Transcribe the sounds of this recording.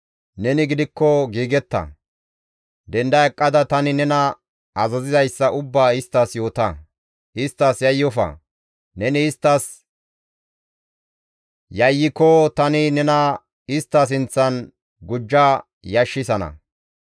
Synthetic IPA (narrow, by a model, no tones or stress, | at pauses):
nɛnɪɡɪd̪ɪkːɔɡiːɡɛt̪ːɐ̰ | d̪ɛnd̪ɐɛkʼːɐd̪ɐt̪ɐnɪnɛnɐ | ɐzɐzɪzɐjsːɐʔʊbːaːɪst̪ːɐsjo̞ːt̪ɐ | ɪst̪ːɐsjɐjːɔfɐ̰ | nɛnɪːst̪ːɐs | jɐjːɪkɔt̪ɐnɪnɛnɐ | ɪst̪ːɐs̬ɪnt͡sːɐn | ɡʊd͡ʒːa | jɐʃːɪsɐnɐ̰